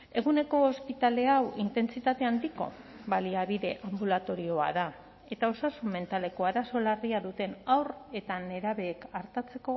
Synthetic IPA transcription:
e̞ɣ̞une̞ko̞ːspit̪ale̞awint̪e̞nst͡sit̪at̪e̞and̪iko̞̰ | baliaβiðe̞ʔambulat̪o̞ɾio̞a̰ða | e̞t̪ao̞sasumːe̞nt̪ale̞ko̞aɾaso̞lariaðut̪e̞nawre̞t̪ane̞ɾaβe̞ːkaɾt̪at͡se̞ko̞

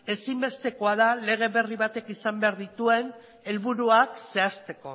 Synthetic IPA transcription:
e̞simbe̞st̪e̞ko̞að̞ale̞ɣ̞e̞βe̞riβat̪e̞kisambe̞aɾðit̪ue̞n | e̞lβuɾuakse̞ast̪e̞ko̞

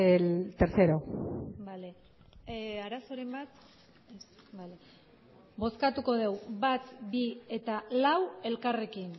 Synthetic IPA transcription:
lt̪eɾθeɾobale | aɾaso̞ɾembat̪ | ale | bo̞skat̪uko̞ðe̞wbat̪bie̞t̪alawe̞lkare̞kin

